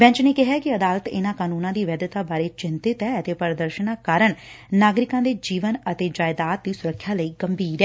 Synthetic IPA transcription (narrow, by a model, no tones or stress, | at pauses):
bɛ̃ːɲt͡ʃneːkɪɦaːkɪəd̪aːlət̪ɪnãːkaːnuːnãːd̪iːʋɛːd̪ət̪aːbaːɾeːt͡ʃɪnt̪ɪt̪ɛːət̪eːpəɾd̪əɾʃənaːkaːɾəɳ | naːɡɾɪkãːd̪eːd͡ʒiːʋənət̪eːd͡ʒaːɪd̪aːt̪̚d̪iːsʊɾəkʰːjaːləiːɡəmbʱiːɾɛː